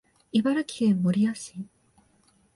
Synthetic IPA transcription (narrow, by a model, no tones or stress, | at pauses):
ibaɾɯkʰiemoɾʲijaɕi